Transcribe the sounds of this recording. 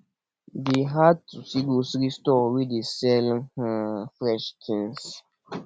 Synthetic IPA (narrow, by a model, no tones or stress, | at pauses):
deɦad̚tusiɡosɾistɔwidesɛlhãfɾɛʃkʰĩns